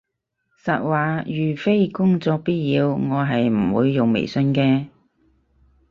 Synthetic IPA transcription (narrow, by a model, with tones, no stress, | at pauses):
sɐ˨t̚waː˨jyː˨˩fe˥jkʊ˥ŋt͡sɔː˧k̚piː˥t̚jiː˨˧wŋɔː˨˧ɦɐ˨jm̩˨˩wuː˨˧jːʊ˨ŋmḛ˨˩jsɵ˧nkɛː˧